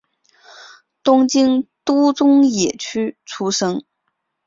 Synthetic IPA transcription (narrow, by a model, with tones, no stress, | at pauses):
t̪ʊ˥ŋt͡ɕi˥ŋt̪u˥t͡sʊ˥ŋjɛ˨˩t͡ɕʰy˥t͡sʰu˥ʂɤ˥ŋ